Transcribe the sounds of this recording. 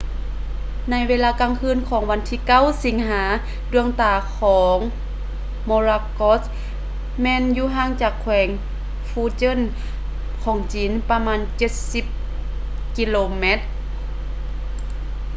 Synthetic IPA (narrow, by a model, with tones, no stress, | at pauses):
na˧˥˨jʋeː˧laː˧kaː˧˨ŋkʰɯː˧˥˨nkʰɔː˨˦ŋʋa˧nt̪ʰiː˧ka˧˥˨wsi˨˦ŋɦaː˩˦ | du˧əŋt̪aː˧˩kʰɔː˩˦ŋ | moː˧ɾaː˧ko˧˥s | mɛː˧˨njuː˧ɦaː˧˥˨ŋt͡ɕaː˨˩kʰːwɛː˨˩˦ŋ | fuː˧˥t͡ɕɤ˧˥˨n | kʰɔː˩˦ŋt͡ɕiː˨˦npa˧maː˧˥˨nt͡ɕe˧˦t̪̚si˧˥p̚ | ki˧˥loː˧me˧˥t̪̚